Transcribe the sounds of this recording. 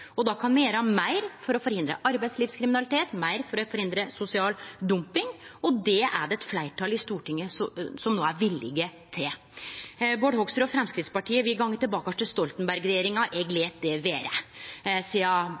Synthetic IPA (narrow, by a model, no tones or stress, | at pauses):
ɔd̪ɑkʰɑnmɛjeːɾɑmæɪɾfɔɾɔfɔɾhɪnd̪ɾə̰ʔɑɾbæɪsliːʋfskʰɾɪmɪnɑlɪt̪ʰeːt̪mæɪɾfɔɾɔfɔɾhɪnd̪ɾəsʊsɪɑːld̪ʊmpɪŋɔd̪ɛæ̰ɖɛɛt̪flæɪʈʰɑlɪst̪uːʈɪŋːəsɔsɔmnoːæɾʋɪlːɪ̰ɡət̪ʰɛ | boːɖhɔɡst̪əɾɔfɾɛmskɾɪt̪spɑʈʰiːəʋɪɡɑŋːət̪ɪlbɑːkɑʂʈ̪ɪst̪ɔlt̪ənbæɾɡɾɛjeːɾɪŋɑʔɛɡleːt̪̚d̪ɛʋeːɾə | siːɑ